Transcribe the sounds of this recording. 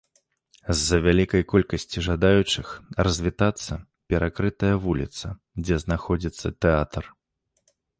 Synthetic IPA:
zːɐvʲalʲikɐjkɔlʲkɐsʲt͡sʲiʐad̪ajut͡ʂɨxrɐzʲvʲit̪at̪sːɐ | pʲɛɾʔakɾɨt̪ɐjɐvulʲḭt̪sɐ | d͡zʲɛznaxɔd͡zʲit̪sːɐt̪ɛat̪r

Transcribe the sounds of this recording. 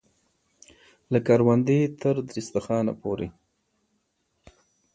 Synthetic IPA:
lakaɾwand̪et̪əɾd̪ɾist̪axɑna̰poɾe

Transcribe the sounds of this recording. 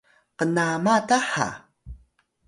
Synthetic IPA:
qənamataħa̰

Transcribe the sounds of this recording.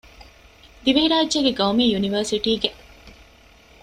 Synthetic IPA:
d̪iʋeɦiɾaːd͡ʒːeɡeɡɐwmiːjuniʋəɾsiʈiːɡe

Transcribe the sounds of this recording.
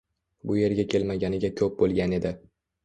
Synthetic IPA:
bʊje̞ɾɡʲakʲʰe̞lmaɡʲanɪɡʲakʲʰɵp̚bolˠɡʲane̞d̪ɪ

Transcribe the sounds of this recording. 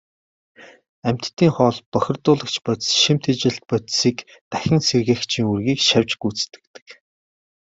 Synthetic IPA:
æm̥ʲt̪t̪ʰːiːŋχɔːɮpœxʲɪ̆rt̪ʊːɮə̆kt͡ɕʰpœt̪sʃim̥t̪ʰet͡ɕɪ̆ɬt̪̚pœt̪siːk | t̪æxʲɪ̆ŋserɣeːxt͡ɕʰiːŋurɣiːkʃawʲt͡ɕɡuːt͡st̪ɘ̥̆k̚t̪ɘ̥̆k

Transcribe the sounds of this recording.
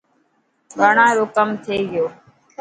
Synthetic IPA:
bʱəɳãːɾoːkəmt̪ʰeːɡɪjoː

